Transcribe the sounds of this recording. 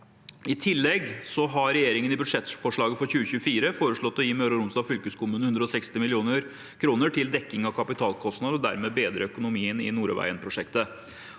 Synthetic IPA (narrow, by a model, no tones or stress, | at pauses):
ɪt̪ʰɪlːɛɡsɔɦɑɾɛjeːɾɪŋənɪbʉʂɛt̪fɔʂɭɑːɡəfɔɾçʉːəçʉːəfiːɾəfoːɾəʂɭɔt̪ːɔjiːmøːɾəɾʊmsd̪ɑːfʏlkʉskʰʊmʉːnəhʉnd̪ɾəɔsɛkst̪ɪmɪlɪuːnəɾ | kʰɾuːnəʈʰɪld̪ɛkːɪŋɑʋkʰɑpɪt̪ʰɑːlkʰɔst̪ɑd̪əɾɔd̪æ̰ɾmeːbeːd̪ɾəœkʊnʊmiːənɪ̰nuːɾʋæ̰ɪənpʰɾʊʂɛkt̪ə